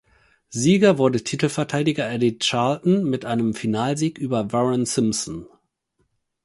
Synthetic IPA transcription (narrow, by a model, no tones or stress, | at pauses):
ziːɡɐvʊɐdətʰiːtl̩fɛɐtʰaɪdɪɡɐʔɛdɪtt͡ʃaɐltn̩mɪtʔaɪnəmfinaːlziːkʔyːbɐvɛʁɛnsɪmsɔn